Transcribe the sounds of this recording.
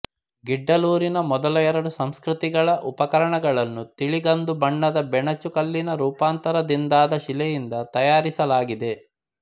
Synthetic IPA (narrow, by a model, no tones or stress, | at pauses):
ɡiɖːɐluːɾinɐmɔd̪ɐlɐjɛɾɐɽusɐmskɾut̪iɡɐɭɐʔupɐkɐɾɐɳɐɡɐɭɐnːut̪iɭiɡɐnd̪ubɐɳːɐd̪ɐbɛɳɐt͡ʃukɐlːinɐɾuːpaːnt̪ɐɾɐd̪ind̪aːd̪ɐʃilɛjind̪ɐt̪ɐjaːɾisɐlaːɡid̪e̞